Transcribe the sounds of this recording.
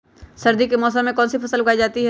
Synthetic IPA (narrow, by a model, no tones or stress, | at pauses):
sɐɾd̪ikemɔːs̬ə̃mːẽkɔ̃ːnsipʰɐsəlbɡaːid͡ʒaːt̪iɦɛː